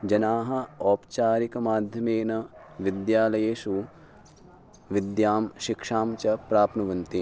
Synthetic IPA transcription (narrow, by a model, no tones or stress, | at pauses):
d͡ʒɐnaːɦɐɔːpt͡ʃaːɾikɐmaːd̪ʱjɐmeːnɐ | ʋid̪jaːlɐjeːʃu | ʋid̪jaːmʃikʂaːmt͡ʃɐpɾaːpnɐʋɐnt̪i